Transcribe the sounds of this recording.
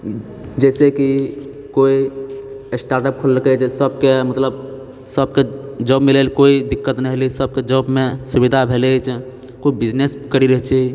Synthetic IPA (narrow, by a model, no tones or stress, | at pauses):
d͡ʒɛseki | koi | esʈaɾʈəp̚kʰollkɛt͡ʃʰsəb̚kemət̪ləb | səbked͡ʒɔbmilelkoid̪ikːət̪nɛɦlisəb̚ked͡ʒɔbmesubid̪ʱabʱelet͡ʃʰ | koibid͡ʒnes | kəɾiɾəɦt͡ʃʰɛi